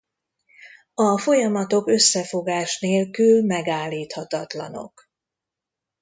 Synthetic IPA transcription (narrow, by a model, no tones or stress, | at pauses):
ɒfo̞jɒmɒt̪o̞kø̞sːɛfo̞ɡaːʃneːlkylmɛɡaːlːiːt̪hɒt̪ɒt̪lɒ̰no̞̰k